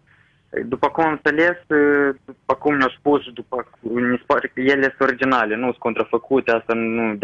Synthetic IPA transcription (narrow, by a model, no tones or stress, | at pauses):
d̪upakumamt̪alɛsupakumɲɔspusd̪upakɲispaɾjɛlɛsɔɾid͡ʒinalɛnuskɔnt̪ɾafɛkʰut̪ɛast̪anud̪